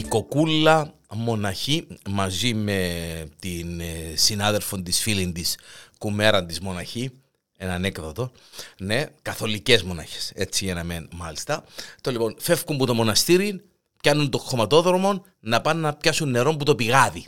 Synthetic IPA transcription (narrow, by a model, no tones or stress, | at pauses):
iko̞kulːɐmo̞nɐçimɐzime̞t̪insinɐðe̞lfo̞nt̪isfilind̪iskume̞ɾɐnd̪izmo̞nɐçi | e̞nɐnekðɐt̪o̞ | ne̞kɐθo̞lice̞zmo̞nɐ̰çe̥se̞t͡sːiʝɐnɐmenmɐlist̪ɐt̪olipo̞nfe̞fkumbut̪o̞mo̞nɐst̪iɾin | pçɐnunt̪o̞xo̞mɐt̪o̞ðɾomo̞n | nɐpɐnːɐpçɐsunːe̞ɾo̞mput̪o̞piɣɐði